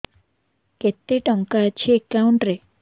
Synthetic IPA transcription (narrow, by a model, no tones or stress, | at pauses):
ket̪ːeʈəŋkat͡ɕʰiekːauɳʈɾe